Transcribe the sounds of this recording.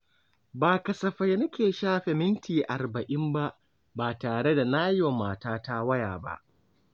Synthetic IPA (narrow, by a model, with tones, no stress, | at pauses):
baː˨kɐ˨sɐ˨ɸɐ˦jnɐ˦kʲeː˨ʃaː˦ɸe˨mɪ˦ntʰiː˨ʔa˨rbɐ˨ʔɪ˦mba˦ʔ | baː˨taː˨ɽe˦da˨naː˦jo˨maː˨taː˦ta˦wɐ˦ja̰ː˨ba̰˦ʔ